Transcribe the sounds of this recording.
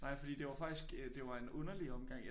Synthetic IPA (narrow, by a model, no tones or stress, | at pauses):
nɑ̈ɪ̰fɒ̽d̥ḭːd̥e̝ʋɑ̈fɑ̈ɡ̥d̥isɡ̥d̥e̝ʋɑ̈e̝nɔ̽nɐliɒ̽mɡ̥ɑ̈ŋ̰